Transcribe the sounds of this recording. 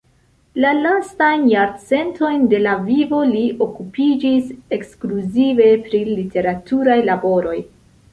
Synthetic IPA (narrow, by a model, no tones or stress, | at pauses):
lalastajnjaɾt͡se̞nto̞jnde̞lavivo̞liʔo̞kupid͡ʒise̞kskluzive̞pɾilite̞ɾatʰuɾajlabo̞ɾo̞j